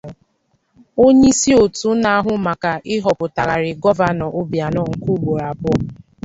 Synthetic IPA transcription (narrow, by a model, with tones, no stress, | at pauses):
o˦ɲe˦si˦o˨tu˨˦na˨a˦ɦʊ˦ma˨ka˨ʔɪ˦ɦɔ˨pʊ˨ta˨ɾa˨ɾɪ˨ɡɔ˦va˦nɔ˨ʔo˦bja˨nɔ˦ŋ̩˨ku˦ɡ͡bo˨ɾa˨bʊ˦